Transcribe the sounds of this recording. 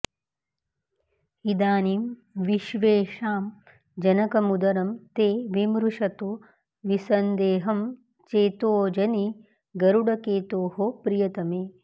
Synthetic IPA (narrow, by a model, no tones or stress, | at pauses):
id̪aːniːmʋiʃʋeːʃaːm | d͡ʒɐnɐkɐmud̪ɐɾɐmt̪eːʋimɾuʂɐt̪oː | ʋisɐnd̪eːɦɐm | t͡ʃeːt̪oːd͡ʒɐni | ɡɐɾuɽɐkeːt̪oːɦopɾijɐt̪ɐmeː